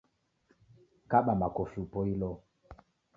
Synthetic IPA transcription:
kaɓamakɔfupɔilɔ

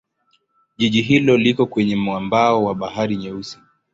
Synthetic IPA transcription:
ʄiʄiɦilɔlikɔkwɛɲɛmwambaɔwaɓaɦaɾiɲɛusi̥

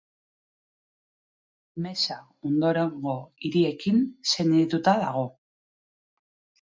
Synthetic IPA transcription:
me̞sa | o̞nd̪o̞ɾe̞ŋɡo̞iɾie̞kinse̞nt̪ut̪aðaɣ̞o̞

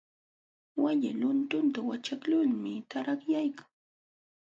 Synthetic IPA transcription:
wajɪlʊnt̪ʊnt̪awat͡ʃaklʊʎmɪt̪aɾaχjajkḁŋ

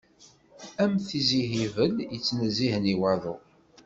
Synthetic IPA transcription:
æmθiziɦivəljət͡sːnəzːiɦəniwæðʊ

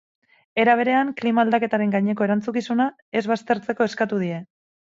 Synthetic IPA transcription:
e̞ɾaβ̞e̞ɾe̞aŋklimaːld̪ake̞t̪aɾe̞ŋɡajɲe̞ko̞e̞ɾant͡sukisuna | e̞zβast̪e̞ɾt͡se̞ko̞eskat̪uð̞ie̞

